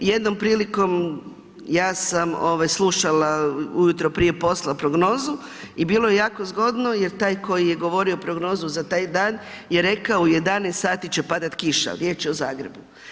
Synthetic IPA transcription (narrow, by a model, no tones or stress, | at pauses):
je̞d̪no̞mpɾiːliko̞m | jaːsamo̞ʋajslˠuʃalaujut̪ɾopɾije̞po̞slapɾo̞ɡno̞ːzu | ibiːlˠo̞jejaːkozɡo̞d̪no̞je̞ɾt̪aːjko̞jijeɡo̞ʋo̞ɾiopɾo̞ɡno̞ːzuzat̪aːjd̪aːnjeɾe̞kaouje̞d̪anest̪saːt̪it͡ʃepad̪at̪kiʃa̰lɾjeːt͡ʃɛozaːɡɾe̞bu